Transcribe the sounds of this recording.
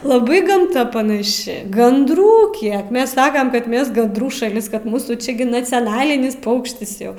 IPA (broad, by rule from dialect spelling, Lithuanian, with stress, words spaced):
lˠɐˈbɐɪ ɡɐmˈtɐ pɐnɐˈʃʲɪ ɡɐndˈruː ˈkʲiɛk ˈmʲɛs ˈsɑːkɐm ˈkɐt ˈmʲɛs ɡɐndˈruː ʃɐˈlʲɪs ˈkɐt ˈmuːsuː ˈt͡ʃʲɪ ɡʲɪ nɐt͡sʲɛˈnɑːlʲɪnʲɪs ˈpɐʊkʃʲtʲɪs ˈjɛʊ